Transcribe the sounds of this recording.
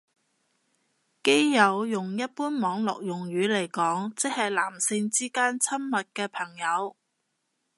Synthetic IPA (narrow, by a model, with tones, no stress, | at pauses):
ke˥jjɐ˨˧wjʊ˨ŋjɐ˥t̚puː˥nmɔː˨˧˥ŋlɔ̰ː˨k̚jʊ˨˩ŋɥyː˨˥le˨˩jkɔː˨˥ŋt͡sɪ˥k̚hɐ˨jlaː˨˩msɪ˧ŋt͡siː˥kaː˥nt͡sʰɐ˥mmɐ˨t̚kɛː˧pʰɐ˨˩ŋjɐ˨˧w